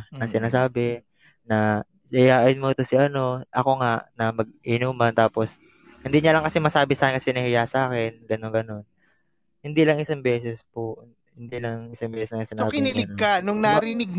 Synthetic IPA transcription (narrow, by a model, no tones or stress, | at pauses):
nɐŋsɪnaːsaːbɛ | nɐ | sɪjaːʔɪnmoɪt̪o̞sɪʔɐno̞ʔɐko̞ŋaʔnɐmɐɡ̚ʔinuːmɐnt̪aːpo̞s | hɪnd̪iɲɐlɐŋkɐsɛmɐsaːbɪsaːkɪnkɐsɛnɐhɪjasɐʔaːkɛnɡɐnonŋɡɐno̞n | hɪnd̪ilɐŋɪsaŋbɛːsɛspoʔ | hɪnd̪ilɐŋɪsaŋbɛːsɛsnɐŋsɪnaabɪnilɪɡ̪kanʊŋnaɾɪnɪɡ̚